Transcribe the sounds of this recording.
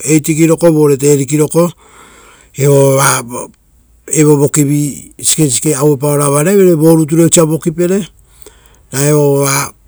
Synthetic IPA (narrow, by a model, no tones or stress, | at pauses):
e̞jtikiɾo̞ko̞βo̞ɾet̬e̞ɾikiɾo̞ko̞ | eβoβa | eβo̞βo̞kibisi̥kesi̥keawop̬aoɾaβaɾeβeɾebo̞ɾut̬uɾot͡ʃiabo̞kipe̞ɾe̞ | naeβoβa